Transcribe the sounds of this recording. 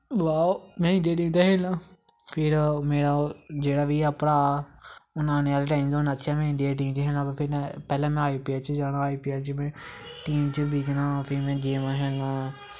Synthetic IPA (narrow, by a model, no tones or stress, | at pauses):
ʋaːomɛ̃ːɪ̃ɳɖijaːʈ̬iːmt̪eːɦeːlãː | pʰɪɾmeːɽad͡ʒeːɽaːʋiːəpɽaː | ʊnaːneːaːlːʈaːimd̪oːnaːt̪ːʃʰaːmɛ̃ːɪ̃ɳɖijaːʈ̬iːmt͡ʃːɦɛːlãːpapʰɪɾɛ̃pɛːlãːmɛ̃aːiːpiaːt͡ʃd͡ʒaːɽ̃ãːaːiːpiːaːɾt͡ʃəmɛ̃ːʈiːmt͡ʃəbiːt͡ʃ̪nãːpʰɪɾmɛ̃ːɡeːmaːɦɛːlãː